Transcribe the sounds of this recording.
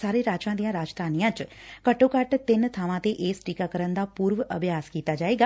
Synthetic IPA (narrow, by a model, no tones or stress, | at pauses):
saːɾeːɾaːt͡ʃãːd̪ijãːɾaːd͡ʒd̪ʱaːnijãːt͡ʃkəʈːõːkəʈt̪ɪnt̪ʰaːʋãːt̪eːʔeːsʈiːkaːkəɾənd̪aːpuːɾʋʔəbʱjaːskiːt̪aːd͡ʒaːeːɡaː